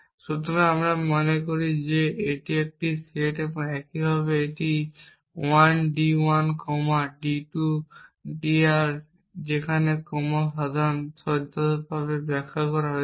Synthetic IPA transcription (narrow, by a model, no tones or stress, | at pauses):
sut̪ɔɾaamɾamɔnekoɾizeeʈiɛk̚ʈiseʈɛpɔɛkiɦɔβeeʈi | wanɖiwankɔmaɖiʈuɖiaɾ | d͡ʒekʰanekɔmasad̪ʱansɔd̪ʱɔbaβebɛkʰːakɔɾaɦɔj